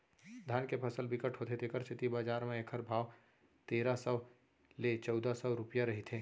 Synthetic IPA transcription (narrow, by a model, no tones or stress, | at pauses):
d̪ʱaːnkepʰəsəlbɪkəʈʰɦoːt̪et̪ʰekəɾt͡ʃɪt̪ibaːd͡ʒaːɾmẽekʰəɾbʱaːw | t̪eːɾasəː | let͡ʃɔʊd̪asɔɾʊpjaɾɐɦit̪ʰeː